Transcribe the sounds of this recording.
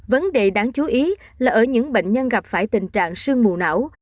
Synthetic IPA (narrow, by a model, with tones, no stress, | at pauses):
və˨˦nɗe˨˩ɗaː˨˩˦ŋt͡ɕu˨˦ʔi˨˦ | laː˨˩ʔəː˧˩ɲɨ̰˧˥ŋɓḛ˧˨ŋ̟ɲə˧nɣa˨˩p̚faː˧˩jt̪ï˨˩ŋ̟t͡ɕa̰ː˧˨ŋsɨ˧əŋmu˨˩na̰˧˥˩w